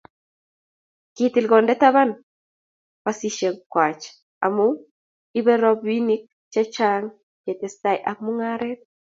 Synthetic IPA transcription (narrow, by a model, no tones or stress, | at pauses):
kitilɡɔndɛtaβan | basiʃɛŋkwat͡ʃ | a̰mu | iβɛɾɔbwinik̚ | t͡ʃɛt͡ʃaŋ | kɛtɛsajʔakmuŋaɾɛt̚